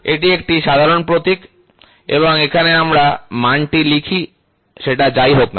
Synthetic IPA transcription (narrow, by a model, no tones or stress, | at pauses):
eʈiek̚ʈiʃad̪ʱaɾonpɾot̪ik | ḛβoŋekʰaneamɾamaɳʈilikʰi | ʃeʈad͡ʑajɦokna̰